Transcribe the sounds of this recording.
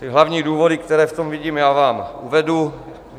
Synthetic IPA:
t̪ɪɦlavɲiːduːvodikt̪ɛɾɛːft̪omviɟiːmjaːvaːmʔuvɛdu

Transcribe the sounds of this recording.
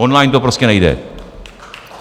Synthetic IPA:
onlaːjnt̪oprɐskʲɐnɐjðḛ

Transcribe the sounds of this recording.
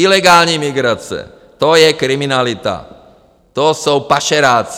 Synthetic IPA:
ilɛɡaːlɲɛmiɡɾat͡sɛ̰ | t̪ɔjɛkɾiminalit̪a̰ | t̪ɔsuwpaʃɛɾaːt͡s

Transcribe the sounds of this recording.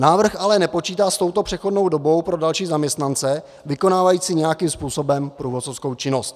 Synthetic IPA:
naːvr̩xʔalɛnɛpo̞t͡ʃiːt̪aːst̪o̞wt̪o̞pr̝̥ɛxo̞dno̞wdo̞bo̞wpɾo̞dalʃiːzamɲɛst̪nant͡sɛ | vɪko̞naːvajiːt͡siɲɛjakiːmspuːso̞bɛmpɾuːvo̞t̪t͡sofsko̞wt͡ʃɪno̞st̪

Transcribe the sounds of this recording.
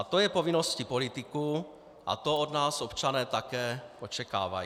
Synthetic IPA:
t̪o̞jɛpo̞vɪno̞scipo̞lɪt̪ɪku | ʔa̰t̪o̞odnaːso̞pt͡ʃanɛːt̪akɛːʔo̞t͡ʃɛka̰ːva̰ji

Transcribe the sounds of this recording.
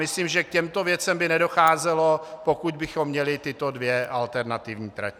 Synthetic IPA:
mɪsliːmʒɛkcɛmt̪o̞vjɛt͡sɛmbɪnɛdo̞xaːzɛlo̞po̞kud̪bɪxomːɲɛlɪt̪ɪt̪o̞dvjɛʔalt̪ɛɾnat̪ɪvɲiːt̪ɾa̰

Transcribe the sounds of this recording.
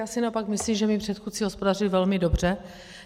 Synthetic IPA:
aːsɪnaʔopakmɪsliːmʒɛmɪpr̥ɛt̪xut͡siɦospo̞darɪvɛlmɪdo̞br̝ɛ

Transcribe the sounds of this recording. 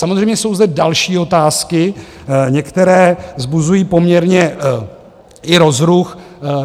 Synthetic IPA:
samozrɛjmɲɛso̞wzd̪ɛdalʃiːo̞t̪aːskɪ | ɲɛkt̪ɛɾɛːvzbuzujiːpo̞mɲɛɾɲɛ | ʔɪɾo̞zɾux

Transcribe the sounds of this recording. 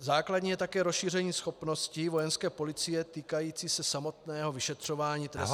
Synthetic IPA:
zaːkladɲiːjɛt̪akɛːɾosʃiːr̝ɛɲiːsxo̞pnoscivo̞jɛnskɛːpo̞lɪt͡sɪjɛt̪iːkajiːt͡siːsɛsamo̞t̪nɛːɦo̞vɪʃɛt̪r̝̥o̞vaːɲiːt̪ɾɛ̰s

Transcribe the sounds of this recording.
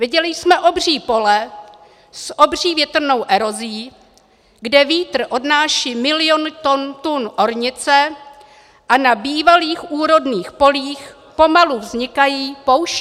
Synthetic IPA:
vɪɟɛlɪsmɛʔo̞br̝iːpo̞lɛ | sʔo̞br̝iːvjɛt̪r̩no̞wʔɛɾo̞zɪjiː | ɡdɛviːt̪r̩ʔo̞dnaːʃiːmɪlɪjo̞nt̪ont̪unʔo̞ɾɲɪt͡sɛ | ʔanabiːvaliːxʔuːɾo̞dniːxpo̞liːx | po̞maluvzɲɪkajiːpo̞wʃ

